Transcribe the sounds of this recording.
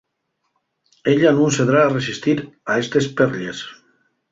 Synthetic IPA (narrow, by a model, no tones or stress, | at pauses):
eʎanũseðɾaːresist̪iɾaest̪espeɾʎes